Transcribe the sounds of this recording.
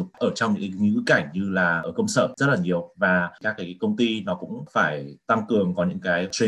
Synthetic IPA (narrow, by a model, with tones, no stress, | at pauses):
ʊ˨˩k͡p̚ʔəː˧˩t͡ɕɔ˧wŋ͡mɲɨ̰˧˥kku˨˦ka˧˩jŋ̟ɲɨ˧laː˨˩ʔəː˧˩kə˧wŋ͡msəː˧˩zə˦˥t̚laː˨˩ɲi˨˩əwvaː˨˩kaː˦˥kːaː˨˦kaː˨˦kə˧wŋ͡mt̪i˧nɔ˨˦kʊ̰˧˥ŋ͡mfaː˧˩jt̪a˧ŋkɨ˨˩əŋkɔ˨˦ɲɨ̰˧˥ŋkaː˨˦jt͡ɕwi˧˨